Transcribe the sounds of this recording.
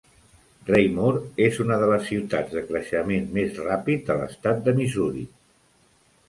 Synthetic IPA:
rejmoɾezunəðələsːiwt̪ad͡zðəkɾəʃəmenmezrapit̪̚d̪ələ̰st̪at̪̚d̪əmizuɾḭ

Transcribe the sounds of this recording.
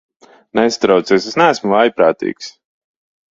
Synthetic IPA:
nɛst̪ɾawt̪sɛːsesnæːsmuvajpɾaːt̪ḭːks

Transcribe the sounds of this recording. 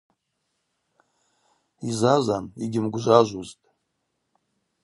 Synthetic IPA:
izazaniɡʲɪmɡʷʒʷaʒʷuztʼ

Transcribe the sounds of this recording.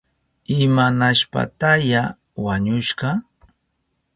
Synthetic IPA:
ɪmanaʃpa̰t̪aja | waɲʊʃɢɑ

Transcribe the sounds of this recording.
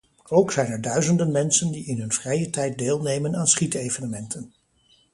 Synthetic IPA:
owksɛjnɛɹdœɥzəndənmɛnsəndiɪnɦɵnv̥rɛjətɛjt̚deːlˠnejmənaːnsχitejvənəmɛntʰən

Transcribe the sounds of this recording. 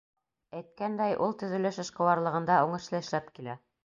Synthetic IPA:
æjt̪̚kænd̪æjʔulˠt̪ɵ̆ðɵ̆lɘʃɤ̆ʃqɤ̆wɑɾlˠɤ̆ʁɤ̆nd̪ɑuɴɤ̆ʃlˠɤɘ̆ʃlæpkilæ

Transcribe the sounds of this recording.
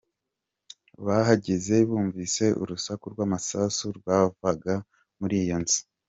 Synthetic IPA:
βaɦaɟeze̞βuːɱviːse̞ʔṵɾusakuɾɡwaːmasasuɾɡwavaɡa | muɾijonzi̥

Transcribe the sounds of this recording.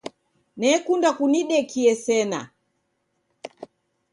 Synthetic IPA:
nɛkundakuniɗɛkiɛsɛna̰

